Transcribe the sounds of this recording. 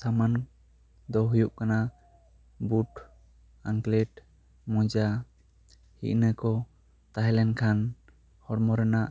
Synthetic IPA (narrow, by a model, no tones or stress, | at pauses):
saman | d̪ɔɦujuʔkana | buʈ | aŋklɛʈ | mɔ̃d͡ʒa | hḭʔnəkɔ | t̪aɦlɛnkʰan | hɔɽmɔɾɛnaʔ